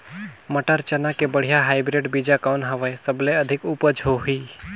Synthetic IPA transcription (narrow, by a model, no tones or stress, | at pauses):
məʈəɾt͡ʃənakebəɽ̤ijaɦaɪbɾeɖbid͡ʒakaʊnɦəʋəjsəbleəd̪ʱikupəd͡ʒʱoɦi